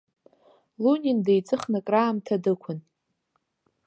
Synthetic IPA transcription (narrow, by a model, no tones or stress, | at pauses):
lunʲindejt͡sʼɨχnɨkʼraːmtʰadɨkʷʰʊn